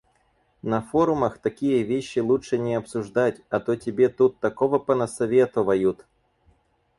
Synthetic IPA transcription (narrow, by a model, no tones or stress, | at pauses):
nɐfo̞ɾʊməxt̪ɐkʲijəvʲeɕːɪlˠuʂɨnʲɪɐpsʊʐd̪atʲɐt̪otʲɪbʲe̞t̪ut̪ːɐko̞vəpənəsɐvʲe̞t̪ʊvɐjut̪